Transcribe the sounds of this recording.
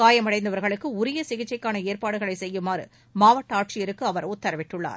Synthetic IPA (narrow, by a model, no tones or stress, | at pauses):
kaːjɐmɐɽɐɪnd̪ɐʋɐɾɣɐɭɯkːɯʊɾɪjɐsɪɣɪt͡ʃːɐɪkːaːnɐeːɾpaːɽɯɣɐɭɐɪsɛjːɯmaːɾɯ̰ | maːʋɐʈːɐaːʈ̚t͡ʃɪjɛɾɯkːɯɐʋɐɾʊt̪ːɐɾɐʋɪʈːɯɭːa̰ːɾ